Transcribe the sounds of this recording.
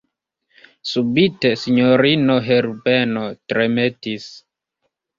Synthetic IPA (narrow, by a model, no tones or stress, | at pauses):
subitesiɲoɾinoɦeɾbenotɾemetis